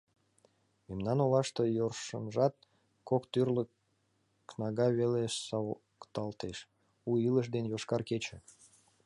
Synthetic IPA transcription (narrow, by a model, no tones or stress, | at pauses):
memnɑnolɑʃt̪əjorʃə̰nʒɑt̪̚ | kokt̪yrlək | knɑɣɑβeleʃsɑ | kt̪ɑlt̪eʃ | uiləʃ̬d̪enjoʃkɑrket͡ɕə̆